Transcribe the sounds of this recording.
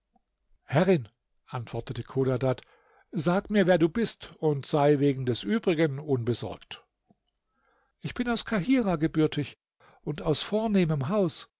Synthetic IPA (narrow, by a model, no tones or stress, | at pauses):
hɛʁɪn | ʔantv̥ɔɐtətəkʰoːdadat | zaːɡmiːɐvɛːɐduːbɪstʊntz̥aɪveːɡŋ̩dɛsʔyːbʁɪɡənʔʊnbəzɔ̰ɐkt | ʔɪçb̥ɪnaʊskʰaɦiːʁaɡəbʏɐtʰɪç | ʊntaʊsfoːɐneːməmɦaʊs